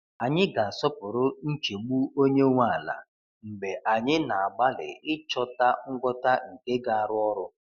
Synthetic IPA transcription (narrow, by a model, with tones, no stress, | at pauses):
a˨ɲɪ˦ɡa˨sɔ˦pʊ˨ɾʊ˦n̩˦t͡ʃe˨ɡ͡bu˦o˦ɲe˦ŋʷa˦a˨la̰˨ | m̩˨ɡ͡be˨ʔa˨ɲɪ˦na˨a˨ɡ͡ba˦lɪ̰˨ɪ˦t͡ʃɔ˦ta˦ŋ̩˦ɡʷɔ˦ta˦ŋ̩˨ke˦ɡa˨a˨ɾʊ˦ɔ˦ɾʊ˦